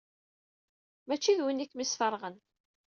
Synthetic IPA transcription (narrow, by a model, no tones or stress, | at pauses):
mæt͡ʃːiðwinikːmisfəɾˤʁən